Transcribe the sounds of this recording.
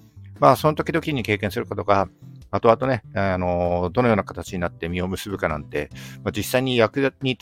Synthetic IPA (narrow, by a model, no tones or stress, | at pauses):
maːso̞no̞t̪o̞kʲid̪o̞kʲiɲ̟ike̞ːkẽ̞ɰ̃sɨɾɯ̟kat̪o̞kaat̪o̞at̪o̞ne̞ano̞d̪o̞no̞joːnakat̪at͡ɕiɲ̟inat̪ːe̞mʲio̞mɯ̟sɨbɯ̟kanã̰nt̪e̞̰mad͡ʑisːaiɲ̟ijakɯ̟ɲ̟i